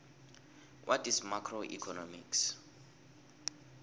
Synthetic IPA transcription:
wʔatismakʰroʔḭkʰɔnɔmḭks

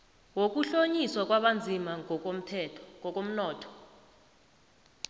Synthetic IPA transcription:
wok̬ʼuɬoɲiswak̬ʼwaɓand͡zʱimaŋɔk̬om̩tʰɛtʰɔkɔk̬ʼom̩nɔːtʰɔ̥

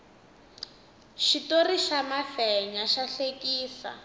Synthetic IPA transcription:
ʃitoriʃamafɛɲaʃaɬekiːsa̰

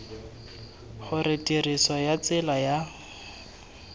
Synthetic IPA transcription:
χʊrɪtʼirisɔjat͡sɪlaja

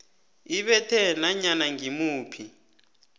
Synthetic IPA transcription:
iɓɛtʰɛnaɲanaŋimuːpʰi

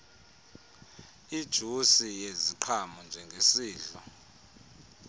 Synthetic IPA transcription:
id̥ʒ̥ʱusijeziǃʰamɔnd͡ʒʱɛŋɡʱesiːɮɔ

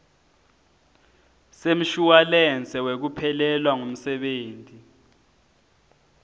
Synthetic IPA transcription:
sem̩ʃuwalɛnt͡sʼɛwek̬upʰɛlɛlwaŋum̩sɛɓeːntʼi

